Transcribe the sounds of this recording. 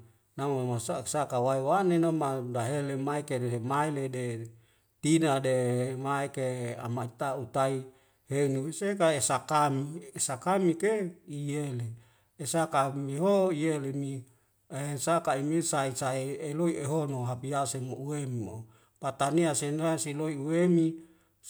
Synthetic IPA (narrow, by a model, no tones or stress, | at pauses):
namomasasakawaiwanenomadaɦelemaekeɾeɦemailede | t̪inademaekea̰mait̪aut̪ai | heunusekaesakamiesakamikeijeleː | sakamiɦoijelemi | esakaimisaisaieloieɦonoɦapiasemouemimo | pat̪aniasenasiloiuemi